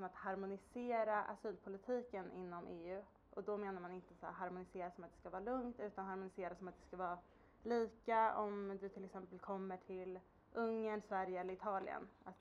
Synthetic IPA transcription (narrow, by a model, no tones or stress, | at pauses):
ɔmat̪haɾmʊnɪseːɾaʔa̰syːlpʰʊlɪt̪ʰiːkənʔɪ̰nːɔmʔeːʉ̟ː | ʔɔd̪ɔmeːnaɾmanɪnt̪əsæ̰ɦaɾmʊnɪseːɾasɔmat̪̚d̪ɛskavɑːɾalɵŋt̪ʉ̟ːt̪anɦaɾmʊnɪseːɾasɔmat̪̚d̪ɛskavɑː | liːkaɔmd̪ɵt̪ʰɪlɛksɛmpəlkʰɔmːəʈʰɪl | ʔɵŋːəɳsvæɾjəɛlːəɾɪt̪ʰɑːlɪ̰ə̰nat̪